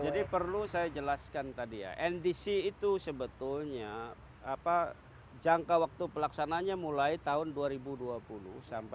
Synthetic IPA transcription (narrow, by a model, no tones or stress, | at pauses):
d͡ʒadipərlusajad͡ʒəlaskant̪adija̰ʔɛndisiːt̪usəbət̪ʊlɲa | apa | d͡ʒaŋkawak̚t̪upəlaksanaɲamulait̪aɦʊnduaɾibuduapulʊhsampa